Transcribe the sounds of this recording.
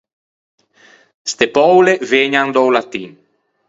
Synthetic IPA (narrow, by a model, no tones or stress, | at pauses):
st̪epɔwleveːɲand̪ɔwlat̪in